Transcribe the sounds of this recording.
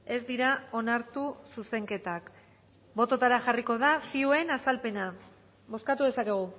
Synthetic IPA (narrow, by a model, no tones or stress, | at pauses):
e̞zd̪iɾao̞naɾt̪ususe̞ŋke̞t̪ak | bo̞t̪o̞t̪aɾaʝariko̞ð̞asiue̞nasalpe̞na | βo̞skat̪uðe̞sakeɣ̞u